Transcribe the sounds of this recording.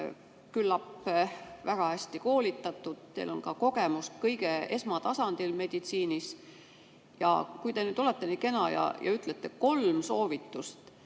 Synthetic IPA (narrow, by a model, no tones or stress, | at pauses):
kylːɑpː | væɡ̥ɑæsʲt̪iko̞ːlit̪ːˑɑt̪ːˑud̪̥̚t̪e̞̰lo̞nkɑko̞ɡ̥e̞muskɤjɡ̥e̞e̞smɑt̪ɑsɑnd̪̥ilme̞d̪̥it̪siːnis | jɑ̰kujd̪̥e̞nyːd̪o̞let̪ːˑeni̥ːke̞nɑjɑ̰jɑ̰yt̪ˑlet̪ːˑeko̞lmso̞ːvit̪ːˑust̪